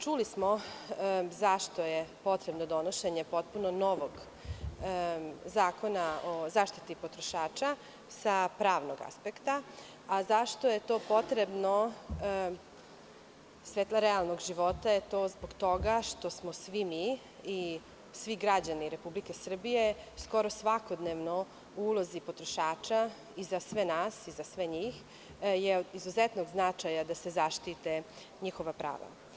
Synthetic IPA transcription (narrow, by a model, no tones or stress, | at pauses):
t͡ʃulismo̞ | zaʃt̪o̞jepo̞t̪ɾe̞bnod̪o̞noʃe̞ɲe̞po̞t̪̚punono̞ʋoɡ | zaːko̞naozaːʃt̪it̪ipot̪ɾoʃaːt͡ʃa | sapɾaːʋnoɡa̰spekt̪aː | zaʃt̪oje̞t̪o̞ːpo̞t̪ɾebno | sʋeːt̪lˠaɾɛalˠnoɡʒiʋo̞t̪ajet̪o̞ːzboɡt̪o̞ɡaʃt̪o̞smo̞sʋimiː | sʋiɡɾad͡ʑaniɾe̞publike̞sr̩bije̞sko̞ɾo̞sʋako̞d̪neʋno̞ | uulozipo̞t̪ɾoʃaːt͡ʃa | izasʋenaːsizasʋeɲiːx | jeod̪izuzet̪noɡznat͡ʃajad̪ase̞zaʃt̪it̪e | ɲixo̞ʋapɾa̰ːʋa̰